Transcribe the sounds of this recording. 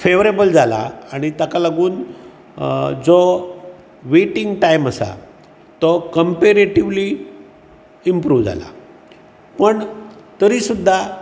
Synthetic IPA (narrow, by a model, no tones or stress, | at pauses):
feʋɾebəld͡zala̰aɽ̃it̪akalaɡuːn | d͡zɔ | ʋeʈiŋɡʈajməsa̰ | t̪ɔkəmpeɾeʈiʋli | impɾuːʋd͡za̰la̰ | pəɳt̪əɾiːsud̪ʱːa